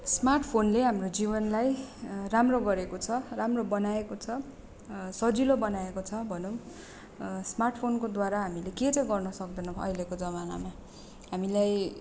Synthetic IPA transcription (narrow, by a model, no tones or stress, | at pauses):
smarʈʰpʰonleɦamrod͡zibʌnlajramroɡʌɾekot͡sʰʌramrobʌnaekot͡sʰʌ | sʌd͡zilobʌnaekot͡sʰʌbʱʌno | smarʈʰpʰonkod̪waɾaɦamileket͡sʌjɡʌrnʌsʌk̚d̪ʌnʌʌ̰jlekod͡zʌmana̰ma | ɦamilaj